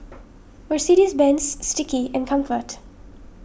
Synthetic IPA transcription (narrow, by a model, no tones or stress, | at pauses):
wɪɹsiɾizbɛ̃nsːtʈɪkiɛ̃nkʰʌ̃mfəɾʈ